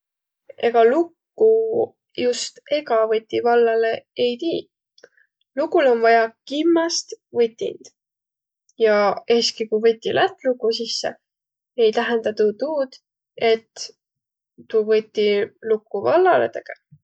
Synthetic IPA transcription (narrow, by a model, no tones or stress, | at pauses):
eɡ̥ɑlukːu | just̪e̞ɡɑvɤt̪ʲːivɑlːɑle̞ejt̪iː | lukulo̞nvɑjɑkimːɑst̪vɨt̪ʲːḭnd̪̥ | jɑe̞ːskikuvɤt̪ʲːilʔæt̪ːˑlukːusisːe̞̰ | e̞jt̪æɦend̪̥ɑt̪ut̪uːd̪̥ | e̞t̪ | uvɤt̪ʲːilukːˑuvɑlːɑlḛt̪eke